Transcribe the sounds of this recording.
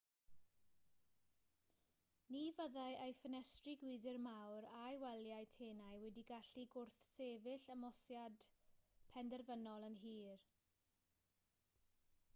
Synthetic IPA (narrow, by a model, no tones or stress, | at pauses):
niːvəðajʔejfənɛstriɡwiːdɪrmawɾajwɛljajtʰeːnajwɛdiɡaɬiɡʊrθseːvɪɬəmɔsjad̥pʰɛndɛrvənɔlˠənɦiːr